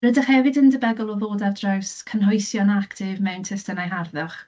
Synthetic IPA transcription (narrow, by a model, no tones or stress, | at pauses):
rədəχhɛvɨdəndəbɛɡɔlˠɔðoːdardrawskʰənɦɔjsjɔnaktʰɪvmɛwntʰɪstənajɦarðəχ